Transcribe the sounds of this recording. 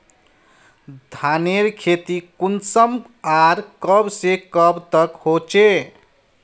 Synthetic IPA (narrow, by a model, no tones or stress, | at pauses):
d̪ʱaneɾkʰet̪ikunsəm | aɾkəbsekəbt̪əkhot͡ʃe